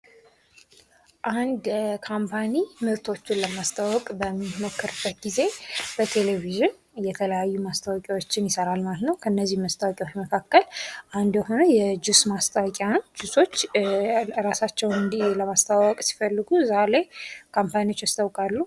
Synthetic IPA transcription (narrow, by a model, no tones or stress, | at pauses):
ʔand̪kʰampʰanimɨɾt̪ʰo̞t͡ʃːɪnləmast̪ʰʼawɔkʼbəmːimokːəɾbːət̪ɡize̞b̥ət̪ʰe̞leviʒɪn | jɛt̪ʰələjajːumast̪ʰəwɔkʼiwo̞t͡ʃːɪnjɪsəɾalmalət̪nəwkʰəɨnːəzːihməst̪ʰʼawɔkʼiwo̞t͡ʃːməkʰakːəlʔand̪jɛho̞nojɛd͡ʒusmast̪ʰʼawɔkʼand͡ʒuso̞t͡ʃː | ɾasat͡ʃːɛwɨnd̪iləmast̪ʰʼawɔkʼsi̥fəlːɨɡuzalajkʰampʰaniot͡ʃːast̪ʰəwkʼalːu